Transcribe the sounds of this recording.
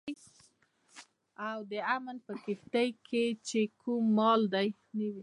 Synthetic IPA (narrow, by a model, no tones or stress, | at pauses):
j | awd̪əamənpəkɪft̪ajkʰet͡ʃekʰumːɑld̪aj | nəwi